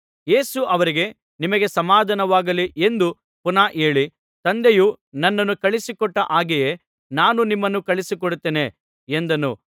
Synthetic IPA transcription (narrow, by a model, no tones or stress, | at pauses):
je̞ːsuʔɐʋɐɾiɡe̞ | nimɐɡe̞sɐmaːd̪ʱɐnɐʋaːɡɐliʔend̪u | punaːʔeːɭi | t̪ɐnd̪eju | nɐnːɐnːukɐɭisikɔʈːɐʔaːɡije̞ | naːnunimːɐnːukɐɭisikɔɽut̪ːeːne̞ | end̪ɐnṵ